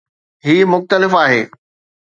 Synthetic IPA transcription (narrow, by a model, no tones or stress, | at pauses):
ɦiːmʊxt̪əlɪfaːɦeː